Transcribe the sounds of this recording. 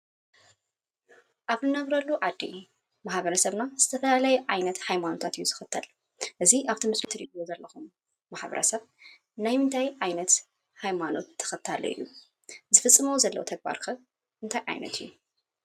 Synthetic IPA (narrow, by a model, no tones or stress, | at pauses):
ʔaβnɨnɐβɾɐlːuʕad̪ːḭ | maħbɐɾɐsɐβnaz̥ɨt̪ʰɐfɐlalajɛʕajnɐt̪hajmano̞t̪ʰat̪ijːuz̥ɨxɨt̪ʰːɐl | ʔɨziʔaβt̪ʰɨmɨslit̪ʰɨɾidjozɐlːɐxumː | aħbɐ̰ɾɐ̰sɐβ | najmɨnt̪ʰajʕajnɐt̪ | hajmano̞t̪ʰːɐ̥xɨt̪ʰːalo̰ʔɨ̰jːu | zɨfɨt͡sʼːɨmɐwzɐlːɐ̰wt̪ʰɐɡ̚ba̰ɾkʰɐβ | ʔɨnt̪ʰajʕa̰jnɐ̰t̪ʰɨjːu